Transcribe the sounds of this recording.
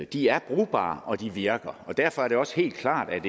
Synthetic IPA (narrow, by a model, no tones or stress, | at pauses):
d̥iæɐb̥ʁuːb̥ɑ̰̈ːʔɒ̽d̥iʋiɐɡ̥ɐɒ̽d̥æɐfɒ̽æɐɾ̥e̝ɒ̽sə̥he̝̰ːld̥̚kʰlɑ̰̈ːd̥æd̥e